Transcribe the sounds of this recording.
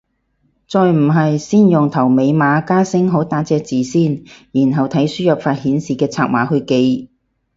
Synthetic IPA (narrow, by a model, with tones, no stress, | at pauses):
t͡sɔː˨˧jm̩˨˩ɦɐ˨jsiː˥˩njʊ˨ŋt̪ʰɐ˨˩wme˨˧jmaː˨˧kaː˥sɪ˥ŋɦo˨˥wt̪aː˨˥t͡sɛː˨˧t͡siː˨siː˥˩njiː˨˩nɦɐ˨wt̪ʰɐ˨˥jsyː˥jɐ˨p̚faː˧t̚hiː˨˥nsiː˨kɛː˧t͡sʰaː˧k̚maː˨˥hɵ˧ke˧j